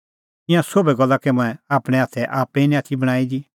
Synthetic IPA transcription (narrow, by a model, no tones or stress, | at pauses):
ɪ̃jãsobɛɡɐlːakɛmʊ̃ɛ̃aːpɽ̃ɛaːt̪ʰɛʔaːpːɛ̃nĩaːt̪ʰibɐɽ̃aːid͡ʒi